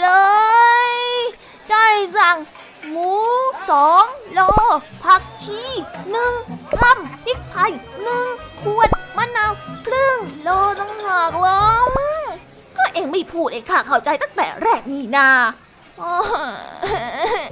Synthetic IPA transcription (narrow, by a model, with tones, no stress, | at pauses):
lɤː˧j | t͡ɕa˧˩jsa˨˩ŋ | muː˨˦˥sɔː˨˦ŋlɔː˧ | pʰa˦˥˩k̚kʰiː˧˥˩nɯ˧˩ŋka˥˩mtʰi˦˥˩k̚pʰa˧˩jnɯ˧˩ŋkʰu˧˩ən̚ma˧˥naː˧˩wkʰlɯ˥˩ŋlɔː˧˩t̪a˧ŋɦaː˨˩k̚lɔː˦˥ | kɔː˥˩ʔeː˧˩ŋmi˧˩pʰuː˧˩t̪̚ʔa˧˩kʰaː˧˩kʰa˨˧˩wt͡ɕa˧jt̪a˥˩ŋt̪ɛ̰ː˨˩ɾɛː˥˩k̚niː˧˩naː˧˩ | ʔɔː˧˩